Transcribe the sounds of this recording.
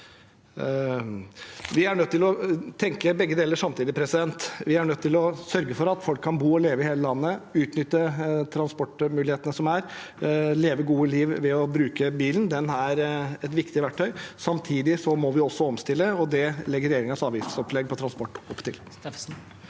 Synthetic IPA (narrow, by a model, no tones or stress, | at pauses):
ʋɪæɳœt̪ːɪlɔt̪ʰɛŋkəbɛɡːəd̪eːləʂɑmt̪ʰiːd̪ɪpʰɾɛsɪd̪ɛnt̪ʋɪæɳœt̪ːɪlɔsœɾɡəfɔɾɑt̪fɔlkʰːɑnbuːɔleːʋəɪheːləlɑnːəʉːt̪nʏt̪ːət̪ʰɾɑnspɔʈːmʉːlɪheːt̪ənəsɔmæɾ | leːʋəɡuːəliːʋʋɛɔbɾʉːkəbiːlənd̪ɛnæɾɛt̪ʋɪkt̪ɪʋæʈʰːœʏsɑmt̪ʰiːd̪ɪsɔmɔʋɪɔsːɔɔmst̪ɪlːəɔd̪ɛlɛɡːəɾɛjeːɾɪŋɑsɑːʋiːsnɪsɔpːlɛɡːpʰɔt̪ɾɑnspɔʈːɔpːt̪ʰɪ̰l